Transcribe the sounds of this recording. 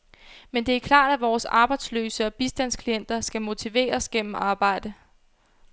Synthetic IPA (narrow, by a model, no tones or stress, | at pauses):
mend̥e̝æɐkʰlɑ̰̈ːd̥æʋɒːsɑ̈ːb̥ɑ̈ɪd̥slø̰ːsəɒ̽b̥isd̥æn̰skʰlien̰d̥ɐsɡ̥æmo̝t͡sʰiʋe̝̰ːɐsɡ̥en̰m̩ɑ̈ːb̥ɑ̈ɪ̰d̥ə